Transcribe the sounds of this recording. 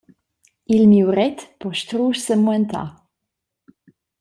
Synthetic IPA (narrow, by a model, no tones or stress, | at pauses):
ilmiwʁɛt̪pɔʃtʁuːʃsəmuɛnt̪ʰa̰